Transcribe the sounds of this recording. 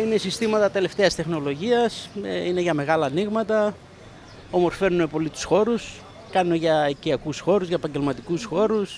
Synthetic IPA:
inesist̪imɐt̪ɐt̪e̞le̞ft̪e̞ɐst̪e̞xno̞lo̞ʝiɐsine̞ʝɐme̞ɣɐlɐːniɣmɐt̪ɐ | o̞mo̞ɾfe̞nune̞po̞lit̪u̥sxo̞ɾus | kɐnuneʝɐiciɐkusxo̞ɾuzʝɐepɐɲɟe̞lmɐt̪ikusxo̞ɾus

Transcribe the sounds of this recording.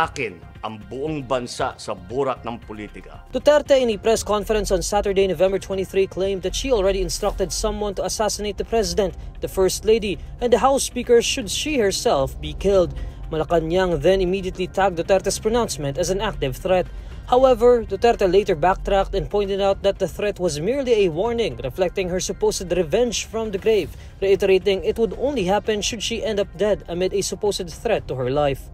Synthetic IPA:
akɪn | ʔɐŋbʊʔoŋbɐnsa̰sɐbuɾɐk̚nɐŋpolit̪ɪka̰d̪̥ot̪ɛɾt̪ɛɪ̃nepɹɛskɔ̃nfɛɾɛ̃nsɔ̃nsat̪əɹd̪eɪnovɛ̃mbəɹt̪ʰwɛ̃ntiθɹiklẽɪ̃md̪ɐt̪ʃiɔlˠɹɛd̪iɪ̃nst̪ɹʌk̚t̪ɛd̪sʌ̃mwʌ̃nt̪uɐsæsɪnejt̪̚d̪ɐpʰɹɛzɪd̪ɛ̃nt̪ð̥ɐfɛɹst̪led̪iʔɛ̃nd̪ɐɦawspikəɹʃʊd̪ʃiːhəɹsɛlfbikɪld̪̚mɐlɐkanjaŋðɛ̃nɪmid̪iət̪lit̪ʰæk̚d̪ot̪ɛɾt̪ɐspɹɔnãʊnsmɛ̃ntɐzæ̃næk̚t̪ɪv̥θɹɛt̪̚ | hawɛvəɹd̪ot̪ɛɾt̪aleɪt̪əɹbæk̚t̪ɾæk̚t̪ɛ̃npɔ̃jnt̪ɛd̪awt̪̚ðɐt̪̚d̪ɐθɾɛt̪wʌzmɪɹliɛwɔɹnɪ̃ŋɹɛflɛk̚t̪ɪ̃ŋhəɹsʊpoʊsəd̪ɾɛvɛ̃nd͡ʒfɹɔ̃md̪əɡɾeɪv | ɹɛɪtɛɾeɪt̪ɪ̃ŋɪt̪wʊd̪õ̰ʊ̃nliɦæpɛ̃nʃʊd̪ʃiʔɛ̃nd̪ʌp̚d̪ɛd̪əmɪd̪ɛsʊpoʊsɨd̪̚θɹɛt̪ːuhəɹlaɪf

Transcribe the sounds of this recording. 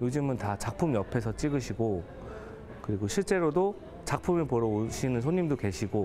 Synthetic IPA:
jod͡ʑɯmɯntat͡ɕak̚pʰumjʌpʰe̞s̬ʰʌt͡ɕ͈iɡɯɕʰiɡo | kɯɾiɡoɕʰiɭt͡ɕ͈e̞ɾodo | t͡ɕak̚pʰumɯɭpoɾʌoɕʰinɯns̬ʰoɲːimdoke̞ɕʰiɡo

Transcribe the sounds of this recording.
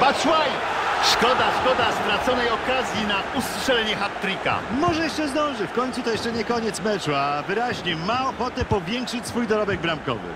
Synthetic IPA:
pat͡ʂwaj | ʂkɔd̪aʂkɔd̪asvɾat̪sɔnɛjɔkazʲjinaustʂɛlɛɲɛxat̪ːɾika̰mɔʐɛjɛʂtt͡ʂɛzd̪ɔ̃w̃ʐɘfkɔɲʲt̪sut̪ɔjɛʂt͡ʂɛɲɛkɔɲɛt̪smɛt͡ʂuavɘɾaʑɲɛmaɔxɔt̪ɛpɔvʲjɛŋkʂɘt͡ɕsfujd̪ɔɾɔbɛɡ̚bɾamkɔ̰vɘ̰

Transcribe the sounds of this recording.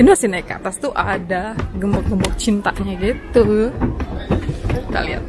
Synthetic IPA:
inmasinaika̰t̪ast̪uʔadaɡəmbɔk̚ɡəmbɔk̚t͡ʃint̪a̰ʔɲaɡit̪uɦ | kit̪a̰lia̰t̪̚

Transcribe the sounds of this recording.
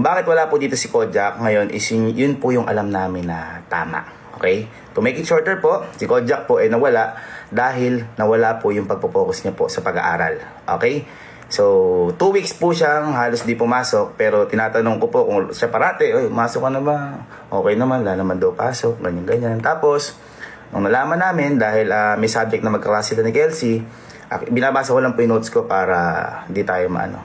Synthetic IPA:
baːkɪt̪wɐlapʊd̪iːt̪osɪkod͡ʒɐk̚ŋɐjo̞nʔɪ̰sjʊjʊnpʊjʊŋʔɐ̰lamnaːmɪnːɐt̪a̰ːma̰ʔ | ʔo̰kɛj | t̪ʊmɛjkɪŋʃoɹt̪ɛɹpo̞ʔsɪkod͡ʒɐk̚po̞ʔɐjnɐwɐlaʔd̪aːɦɪlnɐwɐlapʊjʊŋpɐɡ̚popoːkosɲapo̞sɐpɐɡɐ̰ʔa̰ːɾɐ̰l | ʔo̰ːkɛj | so̞t̪uːwikspuʃaŋɦaːlosd̪ipʊmaːso̞k̚pɛːɾo̞t̪ɪnaːt̪ɐnoŋkopo̞kʊŋsɛpɐɾaːt̪ɛʔojpʊmaːsokɐnɐman | ʔo̞ːkɛjnɐmanlanɐmɐnd̪ɐwpaːsok̚ɡɐɲːaŋɡɐɲant̪aːpo̞s | nʊ̰ŋnɐlaːmɐnːaːmɪnd̪aːhɪlɐmɐjsab̚d͡ʒɛk̚t̪ɐmɐɡ̚kɐkasɪlɐnɪkɛlsi | ʔɐ̰bɪnaːbaːsɐkolɐŋpʊjʊŋnot̪sko̞paːɾɐhɪnd̪it̪aːjomɐ̰ʔɐ̰no̞̰

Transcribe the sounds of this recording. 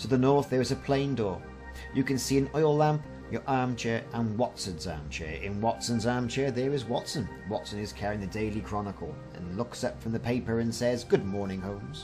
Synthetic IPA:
tʰəðənɔɹθðə˞ɨzəpʰl̥ẽɪ̃ndɔɹ | jɨkɨ̃nsiɨ̃nɔɪlˠlæ̃mp | jə˞ʔɑɹmt͡ʃʰɛɹə̃nwɑtsə̃nzɑ̰ɹmt͡ʃʰɛ̰ɹɪ̰̃nwɑtsə̃nzɑɹmt͡ʃʰɛɹðə˞ɨzwɑtsə̃n | wɑtsɨ̃nɨz̥kʰɛɹɪ̃ŋðɨdeɪlˠikʰɹ̥ɑnəkʰl̩ˠ | ɨ̰̃nlʊksʌpfɹʌ̃mðɨpʰeɪpə˞ɨ̃nsɛzɡʊd̚mɔɹnɪ̃ŋhõʊ̃mz̥

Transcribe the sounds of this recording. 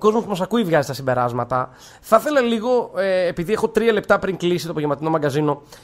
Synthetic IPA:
ko̞zmopumɐsɐkuivʝɐzist̪ɐsibe̞ɾɐzmɐt̪ɐ | θɐθe̞lɐliɣo̞eːpiðie̞xo̞t̪ɾiɐle̞pt̪ɐpɾiŋklisi̥t̪opoʝemɐt̪ino̞mɐɡɐzino̞

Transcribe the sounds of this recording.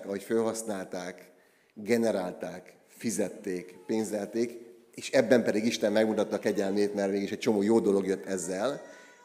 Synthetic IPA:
kɒɦo̞cfølɦɒsnaːlt̪aːk | ɡɛnɛɾaːlt̪aːk | fizɛt̪ːeːkpeːnzɛlt̪eːk | eːʃɛbːɛmpɛd̪iɡiʃt̪ɛmːɛɡmut̪ɒt̪ːɒːkɛɟɛlmeːt̪nɛlʋeːɡiʃɛct͡ʃo̞moːjoːd̪o̞lo̞ɡjøt̪ːɛzːɛl

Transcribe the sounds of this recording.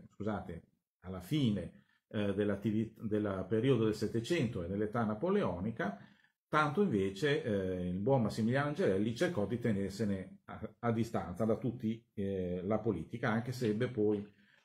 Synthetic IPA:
skuzaːt̪e | alːafiːne | d̪elːat̪ːivid̪elːpeɾiod̪od̪elsɛt̪ːet͡ʃɛnt̪oed̪elːet̪anapoleɔːnika | t̪ant̪oiɱveːt͡ʃeilbwɔnmasːimiljaːnoand͡ʒelɛlːit͡ʃerkɔd̪it̪enerseneaad̪ːist̪a̰nt̪sad̪at̪ut̪ːi | lapoliːt̪ikaaŋk̟eseɛbːepɔj

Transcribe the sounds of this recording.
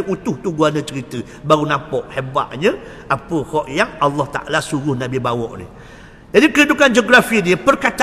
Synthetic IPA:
ʔut̪ʊht̪uɡuanə̃t͡ʃəɾit̪ə | baɾunãpɔʔheba̰ʔɲə̃ | ʔapəhɔʔjaŋɑlːɔht̪a̰ʔa̰lasuɾʊhnãbibawɔ̰ʔnḭ | d͡ʒadikəɾidukand͡ʒoɡɾafidiəpərkat̪

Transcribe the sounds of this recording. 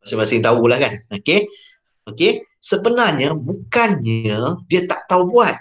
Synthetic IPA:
masɪŋmasɪŋt̪aulahkanoke | okesəbənarɲabukanɲadiət̪aʔt̪aubuat̪̚

